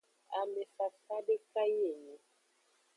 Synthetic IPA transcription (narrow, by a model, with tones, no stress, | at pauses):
a̰˨me˨fa˨sa˦de˦ka˦je˦˨ne˨